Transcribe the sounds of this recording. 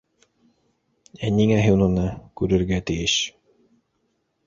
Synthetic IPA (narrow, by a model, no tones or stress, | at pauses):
æniŋæɦiwnɤnɑkʉɾɘ̆ɾɡæt̪ɘ̆jɘʃ